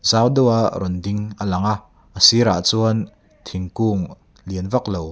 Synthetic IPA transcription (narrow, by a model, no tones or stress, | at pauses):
z̥aːwdɔwaʔɾɔndɪŋʔəlɐŋa | ʔəsiɾa̰ʔt͡suən | t̪ʰiŋkuːŋ | liənvɐk̚low